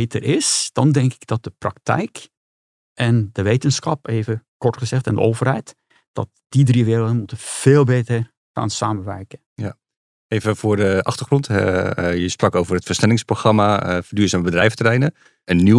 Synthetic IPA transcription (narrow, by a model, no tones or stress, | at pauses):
ejtərʔɪsd̥ɑndɛŋkɪ̥ɡd̥ɑt̚d̥əprɑktɛ̰jk | ʔɛndəʋejtənsχɑpeːjvəkɔɹtχəzɛχtɛndə̰ʔowvərɦɛjt | d̥ɑ̰t̚ | d̥idriʋɪːɾlˠdənmutəv̥eːlˠbejtər | χa̰ːnsaːməʋɛrkə | ja | ejvəvʊːɹdəʔɑχtərχrɔntɦɛ̰jəsprɑkowvərɦətfəɹsnɛlɪŋsproχrɑmafdyːɹzaːməbədrɛjfətərɛjnə | ənːi